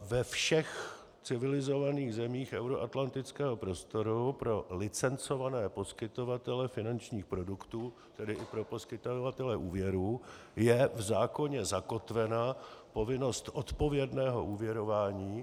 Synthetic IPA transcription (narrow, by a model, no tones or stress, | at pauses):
vɛfʃɛx | t͡sɪvɪlɪzo̞vaniːɣzɛmiːxʔɛwɾoʔat̪lant̪ɪt͡skɛːɦo̞pɾo̞st̪o̞ɾupɾo̞lɪt͡sɛnt͡so̞vanɛːpo̞skɪt̪o̞vat̪ɛlɛfɪnant͡ʃɲiːxpɾo̞dukt̪uː | t̪ɛdɪʔɪpɾo̞po̞skɪt̪ovat̪ɛlɛʔuːvjɛɾuː | jɛvzaːko̞ɲɛzako̞t̪vɛnapo̞vɪno̞st̪ʔo̞t̪po̞vjɛdnɛːɦo̞̰ʔuːvjɛɾo̞vaːɲiː